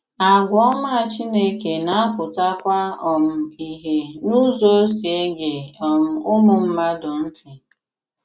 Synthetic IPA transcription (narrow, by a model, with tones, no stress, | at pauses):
a˨ɡʷɔ˦ma˦a˨t͡ʃi˦ne˦ke˨na˦a˦kʊ˨ta˦kʷa˦ɔ˨m̩˨i˨ɦe˨nu˦zo˦si˨e˦ɡe˨ɔ˨m̩˨ʊ˦mʊ˦m̩˦ma˦dʊ˨n̩˦tɪ˨